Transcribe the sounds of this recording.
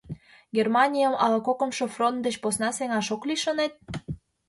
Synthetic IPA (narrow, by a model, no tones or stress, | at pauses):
ɡʲermɑnʲijəmɑlɑkokə̆mʃŏfront̪̚d̪et͡ɕposnɑseŋɑʃokliʃonet̪̚